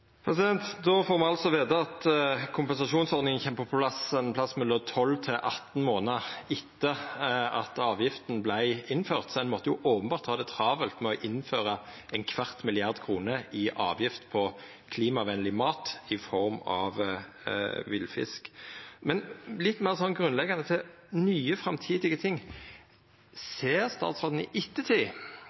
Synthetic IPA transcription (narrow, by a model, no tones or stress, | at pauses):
pʰɾɛsɪd̪ɛnt̪d̪ɔfoːʁmɛɑlsɔʋeːd̪əɑt̪kʰʊmpɛnsɑʂuːnsɔɾd̪nɪŋənçɛmpʰɔpʰlɑsənpʰlɑsːmɛlːɔt̪ʰɔlːt̪ʰɪlʔɑt̪ːn̩moːnəɪt̪ːəɑt̪ɑːʋjɪft̪n̩blæɪɪnːføːʁt̪sɔɛnmɔt̪ːəjʊʔoːpənbɑːɾt̪hɑːd̪ɛt̪ʰɾɑːʋəlt̪mɛɔʔɪnføːɾəɛɪnkʰʋɑʁt̪mɪlɪɑʁd̪kʰʁuːnəɪʔɑːʋjɪft̪pʰɔ | kʰliːmɑʋɛnlɪmɑːt̪ɪfɔɾmɑ̰ʋ | ʋɪlfɪ̰skmɛnlɪt̪ːmeːʁsɔnɡɾʉnlɛɡɑnət̪ʰɪ | nyːəfɾɑmt̪ʰiːd̪ɪɡət̪ʰɪŋː | seːɾst̪ɑ̰ːt̪sʁoːd̪n̩ɪ̰ʔɪt̪ːət̪ʰɪl